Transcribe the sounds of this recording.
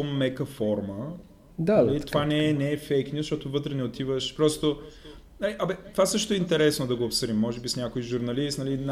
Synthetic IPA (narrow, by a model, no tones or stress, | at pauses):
omːɛkəfɔɾmə | d̪aɐlitt̪ovanɛɛnɛːfɛkt̪ʲisʃt̪ɔt̪ovɤt̪ɾɛnɛot̪ivəʃpɾɔst̪o | naliʔɐbɛt̪ovasɤʃ̬t̪oɛint̪ɛɾɛsnod̪ɐɡoːpsəɾimːɔʒɛbisnʲjakojʒʊɾnɐlist̪nɐlin